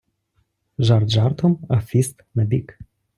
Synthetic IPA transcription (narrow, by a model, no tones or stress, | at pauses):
ʒarʒart̪ʰomafist̪nəb̪ik